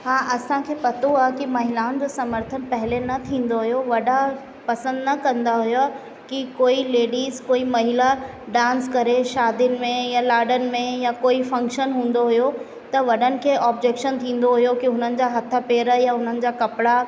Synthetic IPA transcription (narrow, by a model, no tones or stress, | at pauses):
hãːʔɐsãkʰeːpɐt̪oaːɦkimɐɦɪlaːʊnd͡ʑoːsɐməɾt̪ʰənpɐɦɪlenɐt̪ʰĩːn̆d̪oɦʊjoʋɐɗa | pɐsə̃nd̪nɐkɐ̃nd̪aɦʊjo | kikoːileːɖiːzkoːimɐɦɪla | ɖãːnskɐɾeʃaːd̪ɪnɪ̆mẽjalaːɖənɪ̆mẽjakoːifɐ̃ŋkʃənɦũːn̆d̪oɦʊjo | t̪ɐʋɐɗənɪ̆kʰeːʔɔːbd͡ʑeːkʃənt̪ʰĩːn̆d̪oɦʊjokiɦʊn̤ənɪ̆d͡ʑaːɦɐt̪ʰəpeːɾə̆jaɦʊn̤ənɪ̆d͡ʑaːkɐpɽa